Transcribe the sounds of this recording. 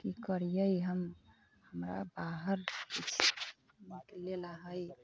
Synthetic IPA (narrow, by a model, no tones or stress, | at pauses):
kikəɾijəjiɦəm | həmɾa̰baɦəɾit͡ʃʰ | mikelelaɦəj